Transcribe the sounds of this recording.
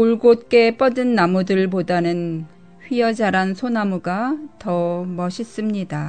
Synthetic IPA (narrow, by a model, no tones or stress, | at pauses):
uɭɡot̚k͈e̞p͈ʌdɯnːamudɯɭp̬odanɯn | ɸɥiʌd͡ʑaɾansʰonamuɡatʌmʌɕʰis͈ɯmɲida